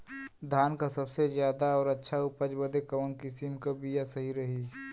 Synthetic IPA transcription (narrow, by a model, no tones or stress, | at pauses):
d̪ʱaːnkasɐbsezjaːd̪aɔːɾɐtːʃʰaʊpəd͡ʒbəd̪ekɐʋənkɪsɪmkabʱijasɐɦiɾɐɦiː